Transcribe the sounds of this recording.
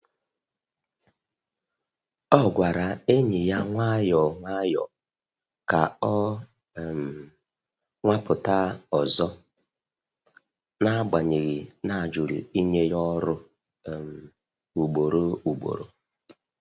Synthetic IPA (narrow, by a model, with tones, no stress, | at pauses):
ɔ˦ɡʷa˨ɾa˨e˦ɲɪ˨ja˦ŋʷa˦jɔ˨ŋʷa˦jɔ̰˨ | ka˨ɔ˦˨ | m˨ | ŋʷa˦pʊ˨ta˦ɔ˨zɔ˦ | na˦ɡ͡ba˨ɲe˨ɣi˨na˨d͡ʒu˨ɾḭ˨i˦ɲe˦jɔ˦ɾʊ˦˨ | m˨ | u˨ɡ͡bo˨ɾo˦u˨ɡ͡bo̰˨ɾo̰˦